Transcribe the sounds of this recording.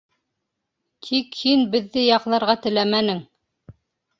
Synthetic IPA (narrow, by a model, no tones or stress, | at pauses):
t̪ʰikhinbɘ̆ðːɘjɑqlˠɑɾʁɑt̪ɘ̆læmænɘŋ